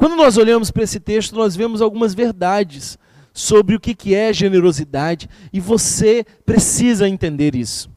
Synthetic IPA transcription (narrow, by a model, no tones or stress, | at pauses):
kwɐ̃nd̪ʊnɔzoʎɐ̃mʊspɾɐesɪt̪eʃt̪ʊnɔzvẽmʊzawɡũmɐzveɾd̪ad͡ʒɪsː | obɾɪʊkɪkɪɛɐʒeneɾozid̪ad͡ʒɪɪvose | pɾesizɐẽnt̪ẽnd̪eɾisʊ̥